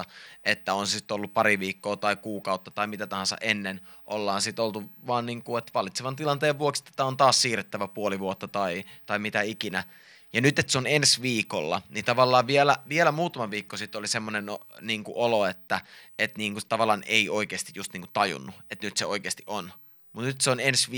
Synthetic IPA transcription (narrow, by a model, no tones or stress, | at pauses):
et̪ːæonsesit̪ːolːuppɑɾiʋiːkːoːt̪ɑikuːkɑut̪ːɑt̪ɑimit̪æt̪ɑhɑnsɑ̰ʔenːen | ʔolːɑːnsit̪olt̪uʋɑːnniːŋkuet̪ʋɑlit̪seʋɑnt̪ilɑnt̪eːʋʋuokse̥t̪ːe̥t̪ːæont̪ɑːssiːret̪ːæʋæpuoliʋuot̪ːɑt̪ɑit̪ɑimit̪æikinæ | jɑnyt̪et̪seonensʋiːko̰lːɑ̰nit̪ɑʋɑlːɑːʋʋielæʋielæmuːt̪ɑmɑʋiːkːosit̪ːolisemːonenoniːŋkuʔoloet̪ːæet̪niːŋkut̪ɑʋɑlːˑɑːneioikeːst̪ijust̪niːŋkut̪t̪ɑjṵnːuet̪nyt̪seoikeːst̪iʔon | mut̪nyt̪seonensʋ